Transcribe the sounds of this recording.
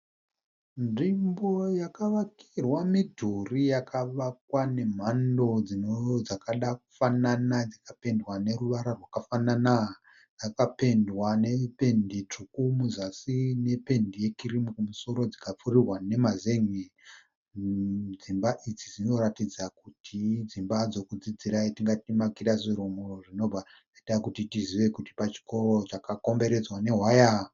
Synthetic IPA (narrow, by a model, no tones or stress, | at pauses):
nʐimbo̞jakaʋakirwamidʱurijakaʋakwane̞m̤ando̞d͡zinod͡zakaɗak̚u̥fananad͡zakape̞ndwane̞ruʋaɾarwakafanana | d͡zakape̞ndwane̞pe̞ndit͡ʂukumuzasine̞pe̞ndije̞kiɾimukumuso̞ɾo̞d͡zikap͡furirwane̞mazeŋi | d͡zimbaʔid͡zid͡zino̞ɾatid͡zakutʰid͡zimbad͡zo̞kud͡zid͡ziɾaitiŋɡatimakiɾaziɾumuroʐino̞b͡va | adakutitiziʋe̞kuti̥pat͡ʃi̥ko̞ro̞t͡ʃakako̞mbe̞ɾe̞d͡zwane̞ɦwaja